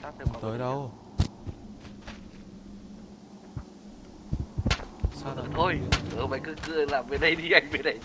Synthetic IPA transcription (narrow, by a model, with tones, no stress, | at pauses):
aː˦˥t̪ʰɛ˧˨˩t̪əː˨˦jɗə˧w | saː˧˨˧t̪ʰo˧jʔəː˨˩ɓa̰ː˧˨jkɨ˧kɨ˧˩əlaː˨˩mve˨˩ɗə˧jɗi˧ʔa˧jŋ̟ve˨˩ɗə˧˩j